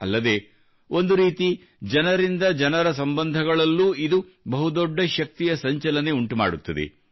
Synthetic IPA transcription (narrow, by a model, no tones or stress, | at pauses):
ɐ̰lːɐd̪e̞ː | o̞nd̪uɾiːt̪i | d͡ʒɐnɐɾind̪ɐd͡ʒɐnɐɾɐs̬ɐmbɐnd̪ʱɐɡɐɭɐlːuːid̪u | bɐɦud̪ɔɖːɐʃɐk̚t̪ijɐsɐɲt͡ʃɐlɐne̞uɳʈuma̰ːɽut̪ːɐd̪ḛ